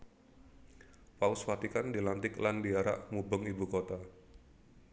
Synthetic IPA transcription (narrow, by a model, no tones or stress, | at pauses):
paʊswat̪ikandilant̪ɪklandiaɾa̰ʔmubəŋibukot̪a